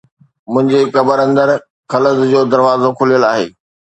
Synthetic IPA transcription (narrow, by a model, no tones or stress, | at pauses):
mʊ̃ɦɪ̃ɲd͡ʑekɐbəɾɐ̃nd̪əɾ | xɐləzd͡ʑoːd̪ɐɾʋaːzokʰʊlijəlaːɦḛː